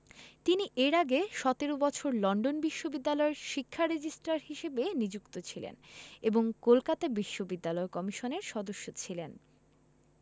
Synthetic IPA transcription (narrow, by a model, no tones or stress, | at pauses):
t̪iniʔeɾaɡeʃɔt̪eɾobɔt͡ɕʰoɾlɔɳɖonbiʃːobid̪ːalɔeɾʃikʰːaɾed͡ʑisʈɾaɾɦiʃebenid͡ʑukt̪ot͡ɕʰilḛneboŋkolkat̪abiʃːobid̪ːalɔekɔmiʃoneɾʃɔd̪oʃːot͡ɕʰilen